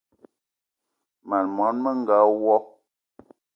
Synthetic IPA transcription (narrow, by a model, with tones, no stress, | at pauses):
ma˨nmɔ˨˦nmə˦ŋ̩˨ɡa˨˦wɔ˦